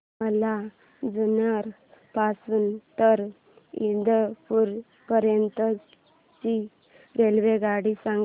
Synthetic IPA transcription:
əla | d͡zunaɾ | pasuːnt̪əɾ | ind̪ʱəpuɾ | pəɾjənt̪ə | t͡ɕi | ɾelʋeɡaɽisaŋɡ

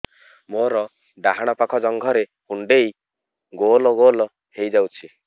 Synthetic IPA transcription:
moɾɔ | ɖaɦaɽ̃ɔpakʰɔd͡ʒɔŋɡʱɔɾe | uɳɖej | ɡolɔɡolɔ | hejd͡ʒawt͡ʃʰi

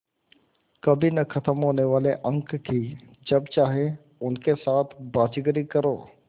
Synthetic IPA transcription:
kɐbʱinɐkʰɐt̪əmɦoːneʋaːleʔɐ̃ŋkːi | d͡ʒɐbt͡ʃaːɦe | ʊnkesaːt̪ʰbaːd͡ʒɪɡɾikɐɾo̰ː

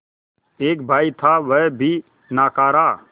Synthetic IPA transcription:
eːk̚bʱaːit̪ʰaʋɛbʱi | naːkaːɾaː

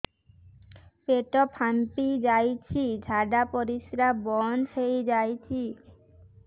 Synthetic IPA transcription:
peʈopʰampid͡ʑajt͡ɕʰid͡ʑʱaɖapoɾiʃɾabɔnʃejd͡ʑajt͡ɕʰi

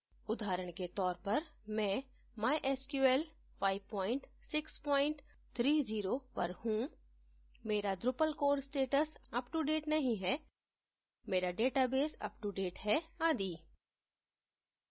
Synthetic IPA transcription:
ʊd̪ʱaːɾəɽ̃ket̪ɔːɾpɐɾ | mɛ̃ | maːjʔɛːskjuːɛːl | fʰaːɪʋpɔ̃ːɪ̃ɳʈsɪkspɔːɪ̃ɳʈ | t̪ʰɾiːziːɾopɐ̰ɾhũ | meːɾad̪ɾʊpəlkoːɾsʈeːʈəsɐpʈuɖeːʈnɐɦĩɦɛː | meːɾaɖeːʈabeːsɐ̰pʈuɖeːʈɦɛaːd̪iː

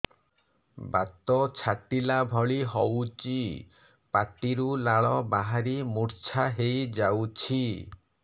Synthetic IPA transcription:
ba̰t̪ɔt͡ʃʰaʈilabʱɔɭiɦɔwt͡ʃi | paʈiɾulaɭɔbaɦaɾimuɾt͡ʃʰaɦejd͡ʒawt͡ʃʰi

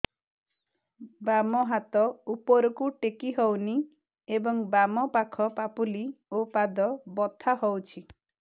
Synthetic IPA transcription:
bamɔɦat̪ɔupɔɾɔkuʈekiɦowni | ebɔŋbamɔpakʰɔpapuliopad̪ɔbɔt̪ʰːaɦowt͡ʃʰi

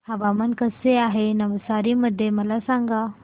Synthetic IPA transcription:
hɐʋamənkəseaːɦenɐʋəsaːɾiməd̪ʱːemɐlasãːŋɡa

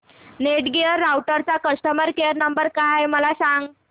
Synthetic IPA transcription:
neʈɡeəɾːawʈəɾt͡sakəsʈəməɾkeəɾnəmbəɾkajməlasaŋɡ

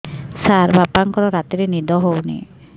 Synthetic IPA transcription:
saɾbʱapaŋkɔɾɔɾat̪iɾenid̪ɔɦownḭ

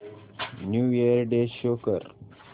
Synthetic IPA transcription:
njuːjeɾɖeɕokəɾ

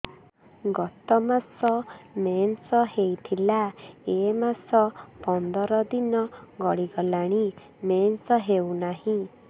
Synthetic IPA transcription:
ɡɔt̪ɔmasɔmensɔɦejt̪ʰilaemasɔpɔnd̪ɔɾɔd̪inɔɡɔɭiɡɔlaɽ̃i | mensɔɦewnaɦĩ

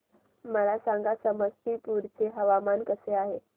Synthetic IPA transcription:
məlasaŋɡasəməst̪iːpuɾt͡seɦəʋamankəseaɦe

